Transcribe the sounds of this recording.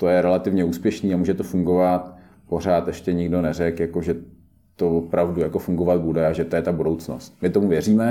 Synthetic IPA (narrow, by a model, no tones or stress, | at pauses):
t̪ojɛɾɛlat̪ɪvɲɛuːspjɛʃniːamuːʒɛt̪ofuŋɡo̞vat̪ | po̞ɾ̝aːt̪ɛʃcɛɲɪɡdo̞nɛrɛkjako̞ʒɛ | t̪ovopɾavdujako̞fuŋɡovat̪̚budɛaʒɛt̪ojɛt̪abudo̞wt͡sno̰st̪̚mɪt̪o̞muvjɛriːmɛ